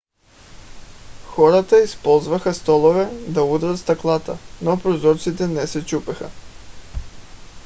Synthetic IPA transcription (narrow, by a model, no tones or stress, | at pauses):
xoɾat̪aispolˠzvaxast̪olˠovɛd̪aud̪ɾat̪st̪aklˠat̪a̰nopɾozɔɾt̪sit̪ɛnɛsɛt͡ʃupɛxa̰